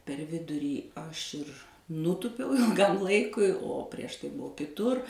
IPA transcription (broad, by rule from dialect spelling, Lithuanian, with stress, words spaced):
pʲɛr ˈʋʲɪdʊrʲiː ˈɐʃ ɪr ˈnuːtʊpʲɛʊ ɪlˠˈɡɐm ˈlˠɐɪkʊɪ oː pʲrʲiɛʃ ˈtɐɪ ˈbʊʊ kʲɪˈtʊr